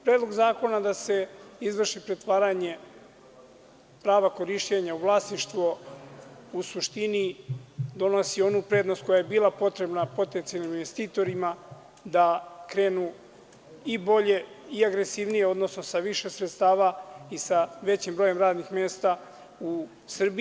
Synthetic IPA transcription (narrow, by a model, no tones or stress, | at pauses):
pɾeːd̪lˠo̞ɡzaːko̞nad̪ase̞izʋr̩ʃipɾet̪ʋaːɾaɲe̞ | pɾaːʋako̞ɾiʃt͡ɕeɲauʋlˠasniʃt̪ʋo | usuʃt̪ini | d̪o̞no̞sio̞nupɾe̞ːd̪no̞st̪̚ko̞jaje̞biːlˠapo̞t̪ɾe̞bnapo̞t̪e̞nt̪sialniminʋest̪iːt̪o̞ɾima | d̪akɾe̞ːnu | ibo̞ʎe̞ | iaɡɾe̞siʋnije̞o̞d̪no̞sno̞saʋiʃe̞sɾet̪st̪aːʋaisaʋe̞t͡ɕimbɾo̞je̞mɾaːd̪nixme̞ːst̪a | u | sr̩bi